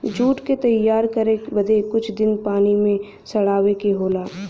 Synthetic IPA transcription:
d͡ʒuːʈket̪ɐjːaːɾkɐɾebɐd̪ekʊt͡ʃʰd̪ɪnpaːnimẽ | sɐɽaːʋekeɦoːlaː

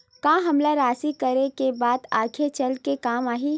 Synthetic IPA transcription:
kãːɦɐmlaɾaːsikəɾekebaːd̪aːkʰet͡ʃɐlkekaːmaːɦiː

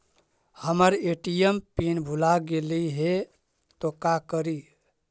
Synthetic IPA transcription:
həməɾeʈijempinbʱulaɡeliɦe | t̪okakəɾi

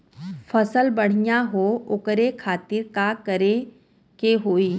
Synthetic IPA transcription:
fəsəlbəɽ̤ijaɦoʊkɾekʰaːt̪ɪɾkakəɾe | keɦoːiː

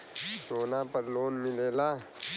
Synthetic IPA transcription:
soːnapɐɾloːnmɪleːlaː

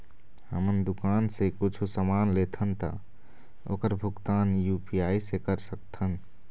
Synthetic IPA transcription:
həmənd̪ʊkaːnsekʊt͡ʃʰusəmaːnlet̪ʰənt̪a̰ | o̰ːkəɾbʱʊɡt̪aːnjupiaːisekəɾsək̚t̪ʰən

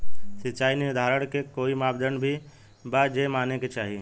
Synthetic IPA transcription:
sɪtːt͡ʃaːineʊd̪ʱaːɾəɽ̃kekoːimaːbd̪ənbʱi | bad͡ʒeːmaːneket͡ʃaːɦie

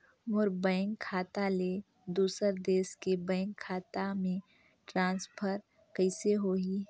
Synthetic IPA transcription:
mʊɾbə̃ːŋkʰːaːt̪aleː | d̪uːsəɾd̪eːskebɛ̃ːŋkʰːaːt̪amẽ | ʈɾãːnspʰəɾ | kəɪseɦoːiː

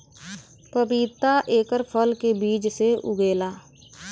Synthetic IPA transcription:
pəbiːt̪aʔeːkəɾpʰəlkebiːd͡ʒseʔʊ̰ɡeːlaː

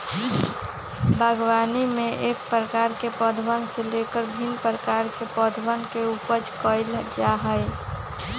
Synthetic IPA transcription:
bʱəɡwanimẽʔeːk̚pɾəkaːɾkepəd̪ʱwənselekəɾbʱinpɾəkaːɾkepəd̪ʱwənkeupəd͡ʒkəɪld͡ʒaɦəj

